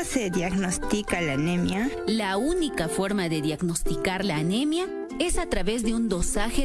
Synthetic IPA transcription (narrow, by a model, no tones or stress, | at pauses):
seðjaɡnost̪ikalanemja | launikafo̞ɾmaðe̞ðjaɡnost̪ikaɾlaːnemja | e̞sat̪ɾaβe̞zðeund̪o̞saxe